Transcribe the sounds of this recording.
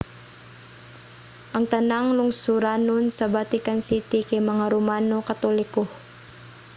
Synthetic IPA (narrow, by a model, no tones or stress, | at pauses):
ʔaŋt̪anaŋluŋsuɾanunsabat̪ikansit̪ikemaŋaɾumanokat̪olikuh